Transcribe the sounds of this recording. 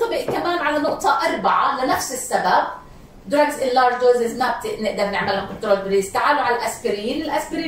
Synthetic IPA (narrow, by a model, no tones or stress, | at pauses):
t̪ˤʊbɪʔkamaːnʕalanʊʔt̪ˤɑʔɑɾˤbaʕalɪnafsɪsːabab̚ | d̪ɾaɡzʔɪllɑːɾd͡ʒd̪oːzɪzmab̚t̪ɪʔnɪʔd̪ɑɾˤnɪʕmɪlhʊkʊnt̪ɾoːlbɾiːst̪aʕaːluʕalalʔasfaɾɪijiːnɪlʔasfɪɾiː